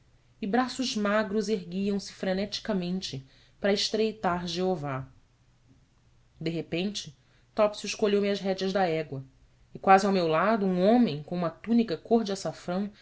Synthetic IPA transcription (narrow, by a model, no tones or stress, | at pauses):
ɪbɾasʊʒmaɡɾʊzeɦɡiɐ̃w̃sɪ̥fɾenɛt͡ʃi̥kɐmẽnt͡ʃɪ | pɾɐɪʃt̪ɾejt̪aɾʒeova | d̪eɦepẽnt͡ʃɪ | t̪ɔpsjuɪʃkoʎewmɪɐzɦɛd͡ʒɐzd̪ɐɛɡwɐ | ɪkwazɪawmewlad̪ʊũõmẽj̃kõumɐt̪ũnikɐkoɾd͡ʒɪasafɾɐ̃w̃